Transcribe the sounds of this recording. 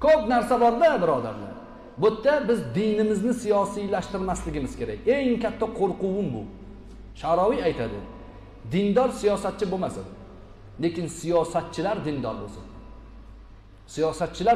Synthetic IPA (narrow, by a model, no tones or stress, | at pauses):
kʰɵpnaɾsabɒɾlabɪɾɒd̪a̰ɾnɪ̰ | bot̪ʰːabɪzd̪ɪjnɪmɪznɪsijɒsijlaʃt̪ɪɾmaslɪɡʲɪmɪz̥kʲe̞ɾakʲe̞ŋkʲʰat̪ʰːaqʰoɾqʊwɪnbʊ | ʃaɾɒwijajt̪ʰad̪ɪ | d̪ɪnd̪ɒɾsijɒsat̪̚t͡ʃʰɪbomasad̪ɪ | le̞kʲɪnsijɒsat̪̚t͡ʃʰɪlaɾd̪ɪnd̪ɒ̰ɾbo̰sɪ̰n | sijɒsat̪̚t͡ʃʰɪla